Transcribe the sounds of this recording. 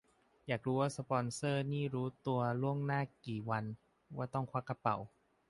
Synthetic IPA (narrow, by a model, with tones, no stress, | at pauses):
jaː˨˩k̚ɾuː˦˥waː˥˩sa˧pɔː˧nsɤː˥˩niː˥˩ɾuː˦˥t̪u˧ɐlu˥˩əŋnaː˥˩kiː˨˩wa˧n | waː˥˩t̪ɔ˥˩ŋkʰwa˦˥˩kːa˧pa˨˩w